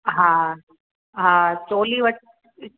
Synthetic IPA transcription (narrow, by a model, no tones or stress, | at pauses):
ɦãː | ɦãːt͡ʃoːliːʋəʈ̚